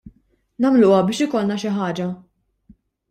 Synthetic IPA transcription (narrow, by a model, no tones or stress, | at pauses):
nɐmlʊɐbɪːʃɪkɔlnɐʃɪħɐːd͡ʒɐ